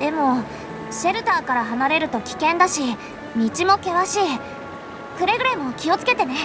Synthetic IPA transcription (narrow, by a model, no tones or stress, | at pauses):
d̪̥e̞mo̞ | ɕe̞ɾɯ̟t̪aːkaɾaɦanaɾe̞ɾɯ̟t̪o̞kʲi̥kẽnd̪aɕi | mʲit͡ɕimo̞ke̞βaɕi | kɯ̟ɾeɡɯ̟ɾemo̞kʲio̞t͡sɨ̥ke̞t̪e̞ne̞